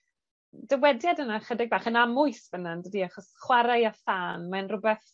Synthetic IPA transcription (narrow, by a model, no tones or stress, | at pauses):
d̥əwɛdjadənaχədɪɡ̚baːχənamʊɨsvənandədiaχɔsχwaɾajafaːnmanrʊbɛθ